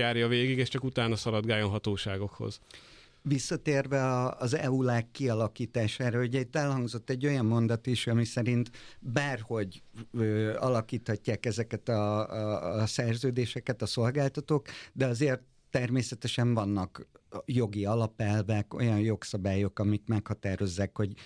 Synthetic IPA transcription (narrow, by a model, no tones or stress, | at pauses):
aːɾjɒveːɡiɡeːʃt͡ʃɒkut̪aːnɒsɒɾɒd̪ɡaːjonɦɒt̪oːʃaːɡo̞kho̞̰z̥ | visːɒt̪eːrvɛɒːzɛ̰ulaːkːiɒlɒkiːt̪aːʃaːɾɒuɟɛit̪ːɛlhɒŋɡzo̞t̪ːɛɟːo̞jɒmːo̞nd̪ɒt̪iʃɒmisɛɾint̪baːrho̞ɟøːɒlɒkiːt̪hɒcːaːkɛzɛkɛt̪ɒ | sɛrzøːd̪eːʃɛkɛt̪ɒso̞lɡaːlt̪ɒt̪oːkd̪ɛɒzeːrt̪ːɛrmeːsɛt̪ɛʃɛɱvɒnːɒkjo̞ɡiɒlɒpɛlvɛko̞̰jɒnjo̞ksɒbaːjo̞kɒmikmɛkhɒt̪aːɾo̞zːaːkho̞ɟ